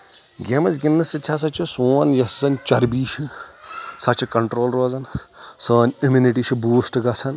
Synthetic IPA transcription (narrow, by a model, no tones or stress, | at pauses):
ɡʲemɐzɡʲinːɐsit͡ʃʲʰas̬ɐt͡ʃʰisuːɐnjɐsɐnt͡ʃɐɾbiːʃi | sɐt͡ʃʰikɐɳʈɾoːlɾoːzɐnsəːnʲimuniʈiːʃʰibuːsʈɨɡɐsʰɐn